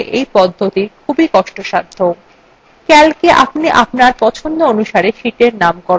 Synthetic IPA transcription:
ʔejpɔd̪ʱːot̪ikʰubikɔʃʈoʃaɾd̪ʱo | kɛlkeʔapniʔap̚naɾpɔt͡ɕʰond̪oonuʃaɾeʃiʈeɾnamkɔɾ

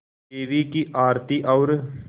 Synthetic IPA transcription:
eːʋiːkiʔaːɾt̪iːʔaʊɾ

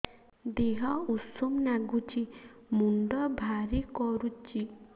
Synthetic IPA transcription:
d̪eɦɔusumnaɡut͡ʃʰimund̪ɔbʱaɾikɔɾut͡ʃi

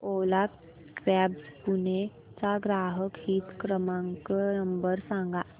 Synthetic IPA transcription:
oːla | ʋɛːbspune | t͡ʃaɡɾaːɦəkɦiːt̪kɾəmãŋkənəmbəɾsãːŋɡaː

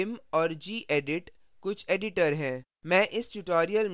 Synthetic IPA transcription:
ɪmɔːɾd͡ʒiːʔeːɖɪʈ | kʊt͡ʃʰeːɖɪʈəɾɦɛ̃ː | mɛ̃ːʔɪsʈuʈɔːɾijəlm

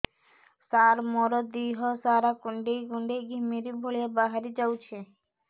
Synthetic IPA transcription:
saɾmɔɾod̪iɦɔsaɾakuɳɖeɡuɳɖeɡʱimiɾibʱoɭiebaɦaɾid͡ʑawt͡ɕʰe

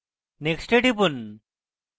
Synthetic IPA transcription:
neksʈeʈipun

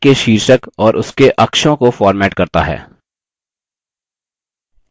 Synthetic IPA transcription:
keʃiːɾʃəkɔːɾʔʊskeʔɐkʃõkofɔːɾmɛːʈkɐɾt̪a̰ɦɛ̰ː

